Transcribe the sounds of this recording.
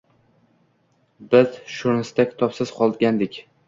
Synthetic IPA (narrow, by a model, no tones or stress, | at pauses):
bɪzʃʊɾnɪst̪akʲʰɪ̥t̪ʰɒpsɪz̥qʰɒlˠd̪ɡʲand̪ɪkʲ